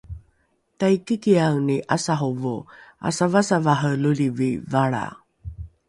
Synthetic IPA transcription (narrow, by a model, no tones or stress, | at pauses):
tajkikiawniʔasaɦuvua̰savasavaɦəlulivivaɭa̰